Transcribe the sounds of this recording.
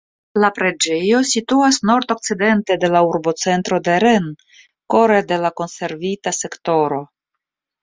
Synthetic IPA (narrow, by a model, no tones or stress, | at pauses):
lapɾe̞d͡ʒe̞jo̞situasno̞ɾt̪o̞k̚t͡side̞nte̞de̞lauɾbo̞t͡se̞nt̪ɾo̞de̞ɾen | ko̞ɾede̞lako̞nse̞ɾvitase̞kto̞ɾo̞